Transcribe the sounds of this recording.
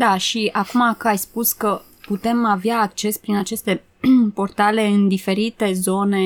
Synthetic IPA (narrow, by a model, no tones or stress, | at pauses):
d̪aʃiakumakəajspuskə | put̪e̞maveaːk̚t͡ʃe̞spɾinat͡ʃe̞st̪e̞ | po̞rt̪ale̞ɨnd̪ife̞ɾit̪e̞zo̞ne̞